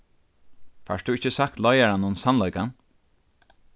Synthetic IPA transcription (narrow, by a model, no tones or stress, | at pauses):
fa̰ʂd̪uɪçəsakt̪lɔjaɾanːɔnnsanlɔjkan